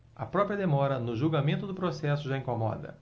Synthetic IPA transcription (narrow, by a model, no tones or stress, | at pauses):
ɐpɾɔpɾiɐd̪emɔɾɐnʊʒuwɡamẽnt̪ʊd̪ʊpɾosɛsʊʒaĩŋkomɔ̰d̪ɐ̰